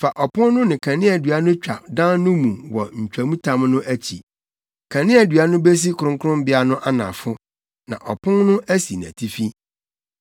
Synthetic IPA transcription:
fa˨ʔɔ˨pʰʊ̃˦nnʊ̃˦nɪ̃˨kʰã˨nɪ̃˦æ˨dɥa˦nʊ̃˦t͡ɕᶣa˨dã˦nːʊ̃˦mũ˨wɔ˨ɲ̩˨t͡ɕᶣæ˨mũ˦tʰã˦mnʊ̃˦ʔæ˦t͡ɕʰḭ˨ | kʰã˨nɪ̃˦ɛ˨dɥa˦nʊ̃˦be˦s̬i˦kʰʊ˨ʊ̃˦ŋkʊ˦ɾʊ̃˦m˦bɪ˦a˦nʊ̃˦ʔa˦nã̰˨fʊ˦ | nã̰˨ʔɔ˨pʰʊ̃˦nnʊ̃˦æ˦si˨næ̰˨tʰi˦fi˦

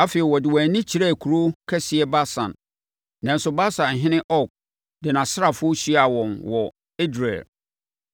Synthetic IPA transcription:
a˦fi˨ɛ˨wɔ˨dɪ˨wæ˨nĩ˦t͡ɕʰi˨ɾɛ˦˨kʰu˨ɾo˦kʰɛ˦sɪ˨ɛ˦ba˦sã̰˨nː | ã˨n̩˦sʊ˦ba˦sã˨n˨ɦɪ̃˦nɪ̃˦ʔɔ˦k̚ | dɪ˨nã˨sɪ˦ɾa˨fʊ˦o˦ɕi˦˨a˨wɔ̃˨nwɔ˨ | e˦dɾḛ˨l

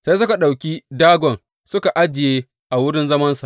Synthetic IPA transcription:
sa˦sʊ˦ka˨ɗa˨wkʲi˦daː˦ɡʷɔ˨n | sʊ˦ka˨ʔa˦d͡ʒɪ˨jeː˦ | ʔa˨wʊ˦ɽɪ˦nzɐ˦mɐ˦nsa˨ʔ

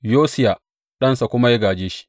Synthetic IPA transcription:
joː˦sɪ˦ja˨ | ɗɐ˦nsa˨kʷʊ˦ma˦ja˦ɡaː˨d͡ʒeː˦ʃi̥˦

